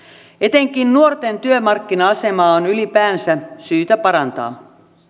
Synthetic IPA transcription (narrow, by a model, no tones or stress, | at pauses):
e̞t̪eŋk̟innuort̪ent̪yømɑrkːinɑɑse̞mɑːonylipæːnsæsyːt̪æpɑɾɑnt̪ɑ̰ː